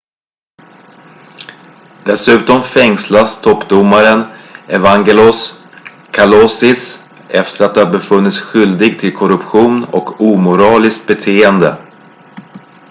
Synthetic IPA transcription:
d̪̥ɛsʉ̟ːt̪ɔmfɛŋslast̪ʰɔpːd̪ʊmːaɾənɛvaŋɡɛlɔs | kʰalɔsɪs | ɛft̪əɾat̪̚d̪ɛhaɾbɛfɵnːɪt̪sɧʏld̪ɪɡ̚t̪ʰɪlkʰɔɾɵpɧuːnɔ̰kuːmʊɾɑːlɪskt̪̚bɛt̪ʰeːənd̪ə

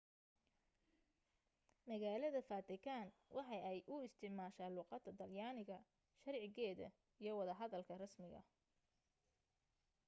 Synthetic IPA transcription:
mɐɣaːlɐðɐfaːt̪ʰɪkʰaːnwʔɑħɑjɛjʔʊɪst̪ʰɪʕmaːʃaːluːqɑd̪ɐd̪ɐljaːnɪɣɐ | ʃɐrʕɪɣɛːðɐ̰ | ijɞwɑðɐɦɐðɐlkʰɐrɐsmɪɣɐ̰

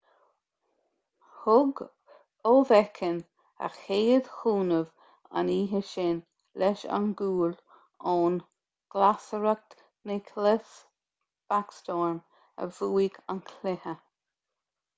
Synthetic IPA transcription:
hʊɡ | oːvɛkʰən | a̰xeːəd̪xuːnəv | a̰niːɦəʃɪn | lɛʃa̰nɡuːl | oːn | ɡ̥lasəɹək̚ | nekʰlɪs | b̥akst̪ɔːɹm | ə̰vuːiɡa̰nkʰlɪhə

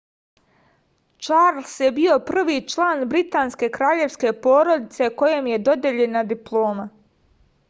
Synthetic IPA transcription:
t͡ʃaɾlˠsje̞bio̞pr̩ʋiːt͡ʃlˠaːnbɾit̪aːnske̞kɾaːʎe̞ʋske̞po̞ːɾo̞d̪it̪se̞ko̞je̞mje̞d̪o̞d̪je̞ʎe̞nad̪iplˠo̞ːma

